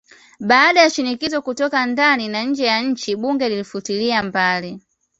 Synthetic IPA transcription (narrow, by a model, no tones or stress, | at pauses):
ɓaːɗajaʃinikizɔkutɔkandaninaɲ̩d͡ʒɛjaɲ̩t͡ʃiɓuŋɡɛlilifutiliambali